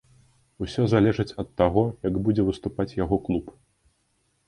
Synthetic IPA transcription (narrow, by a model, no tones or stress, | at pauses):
usʲɔzalʲɛʐɨt͡sʲɐt̪ːaɣɔjɐɡbud͡zʲɛvɨst̪upat͡sʲjaɣɔklˠup